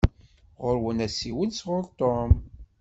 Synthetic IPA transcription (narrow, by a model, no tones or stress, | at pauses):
ʁʊɾwənæsiwənsʁʊɾt̪om